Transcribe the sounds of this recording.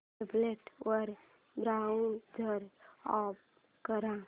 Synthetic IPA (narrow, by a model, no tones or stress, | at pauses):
ebleʈwəɾ | bɾaund̪ʱəɾap̚ | kəɾãː